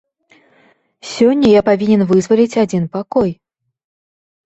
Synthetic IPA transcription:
sʲɔnʲːɐjapavʲinʲɛnvɨzvɐlʲit͡sʲad͡zʲinpakɔj

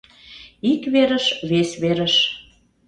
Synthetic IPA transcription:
ikβeɾəʃβesβeɾəʃ

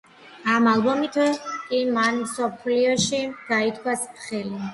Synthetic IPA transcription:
amalˠbɔmit̪ʰwɛkʼimanmsɔpʰliɔʃiɡ̥ait̪ʰkʰwasχɛli

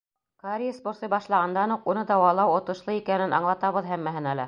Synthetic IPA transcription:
kaɾʲisbŏɾsɤjbɑʃlˠɑʁɑnd̪ɑnhuqunɤd̪ɑwɑlˠɑwŏt̪ɤ̆ʃlˠɤikænɘnʔɑ̰ɴlˠɑt̪ɑβɤðɦæmːæɦɘnælæ

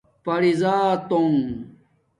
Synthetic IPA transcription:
pɐɽizaːt̪oŋ

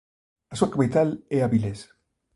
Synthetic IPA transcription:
asuakbejt̪aleaβiles

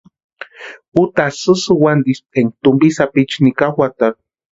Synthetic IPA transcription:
ut̪asɨsɨwand̪ist̪ʼeŋt̪umbisapit͡ʃnikawʷat̪a

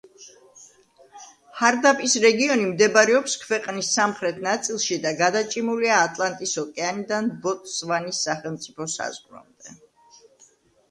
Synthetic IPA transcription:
haɾd̪apʼisɾɛɡiɔnimd̪ɛbaɾɛɔpskʰvɛqʼnisːamχɾɛt̪ʰnat̪sʼilˠʃid̪aɡad̪at͡ʃʼimuliaːt̪ʼlˠant̪ʼisɔkʼɛanid̪anbɔt̪ʼsvanisːaχɛlˠmt̪sʼipʰɔsa̰zʁɾɔ̰md̪̥ɛ

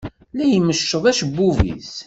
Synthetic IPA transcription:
lijməʃːəðˤæʃbːuvḭs

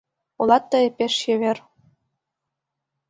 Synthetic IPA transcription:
ulˠɑt̪ːɤĕpʲeʃjĕβer

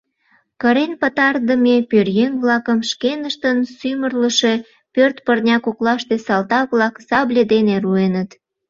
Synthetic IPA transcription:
kəɾenpət̪ɑrd̪əmepørjeŋβlɑkəmʃkenəʃt̪ənsymərləʃe̽ | pørt̪pərnʲɑkoklɑʃt̪esɑlt̪ɑβlɑksɑblʲed̪eneruenət̪

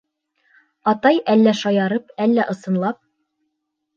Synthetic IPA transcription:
ɑt̪ɑjælːæʃɑjɑɾɤpælːæʔɤ̆sɤ̆nlˠɑp̚

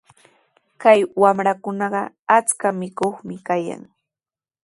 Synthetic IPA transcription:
kajwamɾakʊnɑɢɑ | at͡skamɪkoχmɪkaja̰ŋ

